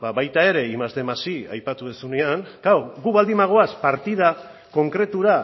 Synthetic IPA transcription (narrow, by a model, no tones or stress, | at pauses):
baβajt̪ae̞ɾe̞imazd̪e̞masia̰jpat̪uðesuneaŋɡawɣuβald̪imaɣ̞o̞aspaɾt̪ið̞a | ko̞ŋkɾe̞t̪uɾa